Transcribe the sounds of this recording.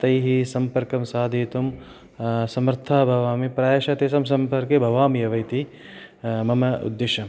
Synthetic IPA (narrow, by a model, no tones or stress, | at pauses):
t̪ɐjɦisɐmpɐɾkɐmsaːd̪ʱiːt̪um | sɐmɐɾt̪ʰaːbʱɐʋaːmipɾaːjɐʃɐt̪eːsɐmsɐmpɐɾkebʱɐʋaːmijɐʋɐjt̪i | mɐmɐṵd̪ːeʃɐm